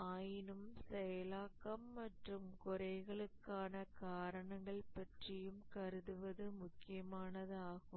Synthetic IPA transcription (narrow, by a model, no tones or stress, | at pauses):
aːjɪnɯmsɛjɐlaːkːɐmːɐʈrɯmkʊɾɐɪɣɐɭɯkːaːnɐkaːɾɐɳɐŋɡɐɭpɐʈrɪjɯmkɐɾɯðɯʋɐðɯmʊkːɪjɐmaːnɐðɯaːɣɯm